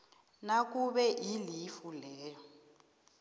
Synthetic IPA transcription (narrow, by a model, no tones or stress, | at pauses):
nak̬ʼuɓɛʔilifulɛːjɔ